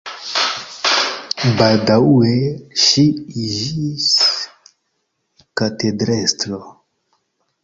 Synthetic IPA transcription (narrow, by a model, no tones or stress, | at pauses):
baldaweʃiiʒis | katedɾestɾo